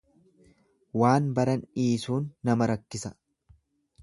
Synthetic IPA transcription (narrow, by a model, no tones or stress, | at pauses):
waːnbɐɾɐniːsuːnːɐmɐɾɐkːɪsɐ̥